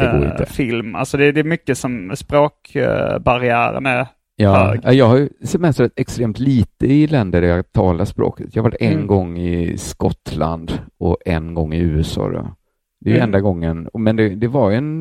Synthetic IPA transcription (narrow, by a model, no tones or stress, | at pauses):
d̪ɛoːɪ̰t̪əfɪlma̰lsɔd̪ɛd̪ɛmʏkːəsɔmspɾoːkbaɾɪæːɾə̰næɾ | jɑːɑjɑːɡhaɾjɵsɛmɛst̪ɾat̪ɛkst̪ɾeːmt̪liːt̪əɪlɛnd̪əɖæɾjɑt̪ʰɑːlaʂspɾo̰ːkə̥t̪jɑhavaʈːɛnɡɔŋːɪskɔt̪ːla̰nd̪ɔʔɛnɡɔŋːɪʉ̟ːɛsɑ̰ːd̪ɔ̰ | d̪ɛjɛnd̪aɡɔŋːənɔmɛnd̪ɛd̪ɛvaɾjʉɛn